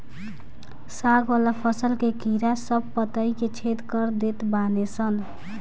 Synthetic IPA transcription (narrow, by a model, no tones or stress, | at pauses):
saɡwʌlapʰʌsəlkekiɾasʌb̚pʌt̪ʌjket͡sʰet̪kʌɾd̪et̪banet͡sʰʌn